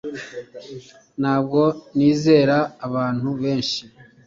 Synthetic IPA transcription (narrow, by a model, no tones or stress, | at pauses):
naːb̚ɡo̞niːze̞ːɾaːβaːn̥huβe̞ːnʃi